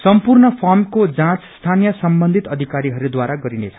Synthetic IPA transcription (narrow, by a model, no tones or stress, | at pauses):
sʌmpurnʌpʰʌrmkod͡zãt͡sst̪ʰanijʌsʌmbʌnd̪ʱit̪ʌd̪ʱikaɾiɦʌɾud̪waɾaɡʌɾinet͡sʰʌ̥